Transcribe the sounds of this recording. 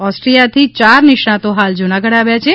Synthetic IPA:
ɔsʈɾijat̪ʰit͡ʃaɾniʃɳat̪oɦald͡ʒunaɡəɽaʋjat͡ʃʰe

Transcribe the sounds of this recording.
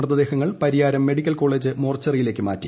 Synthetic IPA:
rt̪ːɐd̪e̞ːhɐŋːɐɭpɐɾijaːɾɐmːe̞ɽikʲːɐlko̞ːɭeːd͡ʑɨmo̞ːrt͡ɕːɐrijile̞ːkːɨma̰ːtːi̥

